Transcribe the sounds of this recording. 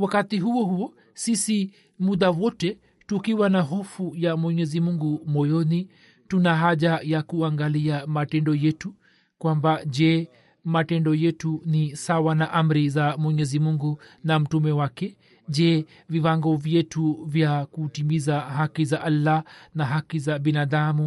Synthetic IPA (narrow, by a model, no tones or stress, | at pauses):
wakatiɦuɔhuɔ | sisi | muðawɔtɛ | tukiwanaɦɔfujamwɛɲɛzimuŋɡumɔjɔni | tunaɦaʄajakuaŋɡaliamatɛndɔjɛtu | kwambaʄɛ | matɛndɔjɛtunisawanaʔam̩ɾizamwɛɲɛzimuŋɡunam̩tumɛwakɛ | ʄɛ | viwaŋɡɔvjɛtuvjakutimizaɦakizaʔalːanaɦakizaɓinaðamu